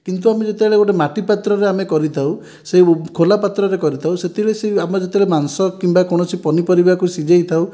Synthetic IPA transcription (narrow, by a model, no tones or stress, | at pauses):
kint̪̬uamed͡ʒet̪ebeɭeɡoʈemaʈipat̪ɾɔɾeamekɔɾit̪ʰaw | sekʰolapat̪ɾɔɾekɔɾit̪ʰawset̪ʰiɭeseamɔd͡ʒet̪ebeɭemansɔkimbakɔɽ̃ɔt͡ʃʰipɔnipɔɾibakusid͡ʒejt̪ʰaw